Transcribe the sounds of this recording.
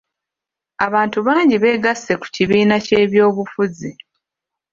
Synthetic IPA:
aβaːntuβaːɲɟiβe̞ːɡasːe̞ku̥ciβiːnace̞ːβjo̞ːβufuzi

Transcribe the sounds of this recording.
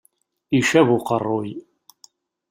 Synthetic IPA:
iʃævʊqərˤːoj

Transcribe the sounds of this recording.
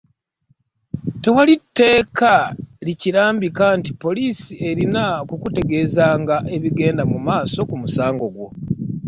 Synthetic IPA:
te̞walitːe̞ːkaliciɾaːmbikantipo̞liːsie̞ɾinakukute̞ɡe̞ːzaːŋɡaʔe̞βiɡe̞ːndamumaːso̞kumusaːŋɡo̞ɡwo̞̰

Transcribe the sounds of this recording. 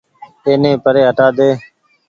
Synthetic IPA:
eːnẽːpəɾeːɦəʈaːd̪eː

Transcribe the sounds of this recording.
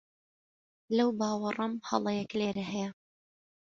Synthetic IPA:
lɐwbaːwɑrˤɑmhɑ̰lˠɑjɛkleːɾɐɦɛjɛ

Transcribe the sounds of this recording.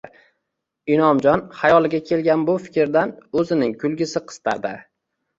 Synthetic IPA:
ɪnɒmd͡ʒɒnχajɒlˠɪɡʲakʲʰe̞lɡʲanbʊfɪ̥kʲɾd̪anɵzɪnɪŋkʰʊlɡʲɪsɪqʰɨ̥st̪ʰa̰ɾd̪ɪ

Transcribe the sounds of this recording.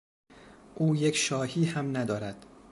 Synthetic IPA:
ʔuːjecʰʃɒːhiːhæmnæd̪ɒːɾæd̪̥

